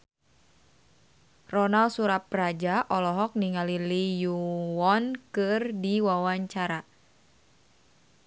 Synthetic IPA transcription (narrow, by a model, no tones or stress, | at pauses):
rɔnalsuɾap̚rad͡ʒaʔɔlɔɦɔk̚niŋalilijuɔnkɨrdiwawaɲt͡ʃaɾa